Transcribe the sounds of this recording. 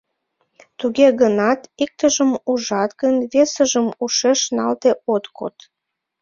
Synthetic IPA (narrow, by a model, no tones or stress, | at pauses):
t̪uɣeɣənɑt̪ik̚t̪əʒəmuʒɑt̪ɣənβesəʒəmuʃeʃnɑ̰lt̪eot̪ko̰t̪